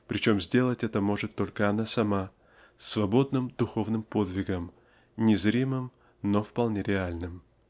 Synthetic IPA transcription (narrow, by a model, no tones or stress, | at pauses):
pɾʲɪt͡ɕo̞mzʲdʲe̞lˠətʲɛt̪əmo̞ʐɨt̪ːo̞lʲkəɐnasɐma | sːvɐbo̞d̪nɨmd̪̥ʊxo̞vnɨmpo̞d̪vʲɪɡəm | nʲɪzɾʲimɨm | nofpɐlˠnʲeɾʲɪalʲnɨm